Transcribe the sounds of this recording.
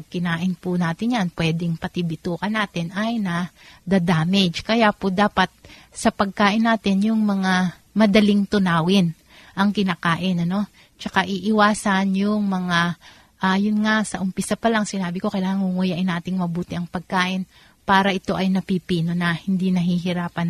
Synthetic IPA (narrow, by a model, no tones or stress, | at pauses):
kɪnaːʔɪnpʊnaːt̪ɪnjanpwɛd̪ɪŋpɐt̪ɪbɪt̪uːkɐnaːt̪ɪnʔɐjnɐ | d̪ad̪aːmɛd͡ʒkɐjaːpod̪aːpɐt̪̚ | sɐpɐɡ̚kaːʔɪnːaːt̪ɪnjʊŋmɐŋa | mɐd̪ɐlɪŋt̪ʊnaːwɪn | ʔɐŋkɪnaːkaːʔɪnʔɐno̞ | t͡ʃɐkaʔiʔɪwaːsɐnjʊŋmɐŋa | ʔajʊnŋasɐʔʊmpɪsapɐlɐŋsɪnaːbɪko̞kɐjlaːŋɐŋhʊŋujaʔɪnaːt̪ɪŋmɐbuːt̪ɪʔɐŋpɐɡ̚kaːʔɪn | paːɾɐʔɪt̪o̞ʔɐjnɐpipiːno̞nɐhɪnd̪inɐɦiɦɪɾaːpɐn